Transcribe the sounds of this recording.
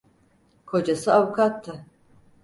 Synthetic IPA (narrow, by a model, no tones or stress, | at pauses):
kʰod͡ʒasɯavukʰat̪ʰːɯ